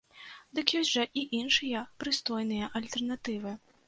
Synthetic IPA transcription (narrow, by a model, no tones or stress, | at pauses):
d̪ɨkjɔsʲʐɐʔiʔinʂɨjɐpɾɨst̪ɔjnɨjɐʔɐlʲt̪ɛrnat̪ɨvɨ